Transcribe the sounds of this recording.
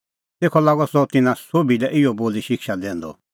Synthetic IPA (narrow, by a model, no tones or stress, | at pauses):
t̪eːkʰɔlaːɡɔsɔt̪ɪnãsobilɛʔɪɔboːliʃɪkʃad̪ɛ̃ːnd̪ɔ̰